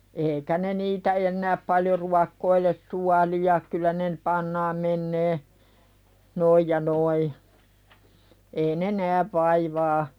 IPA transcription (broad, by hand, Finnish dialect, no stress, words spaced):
eːikæ ne niːtæ enːæːp pɑljo ruɑkːoiles suɑliɑ kylːæ ne n pɑnːɑːm menːeː noij jɑ noi ei ne næːʋ ʋɑiʋɑː